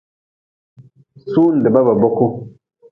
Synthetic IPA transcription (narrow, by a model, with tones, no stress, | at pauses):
su˦n̩˨dɛ˨ba˦ba˨bɔ˦ko˦